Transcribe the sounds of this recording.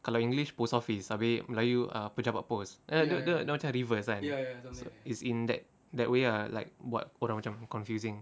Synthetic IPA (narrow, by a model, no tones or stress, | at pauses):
kalaĩŋɡliʃposɔfisabelajua̰pud͡ʒapa̰posʔadodõdõmat͡ʃãɹivəsãnsoitsĩndɛ̰t̚ | dɛt̚weala̰ɪk̚wɔ̰t̚oɾamat͡ʃãmkɔ̃nfjusĩŋ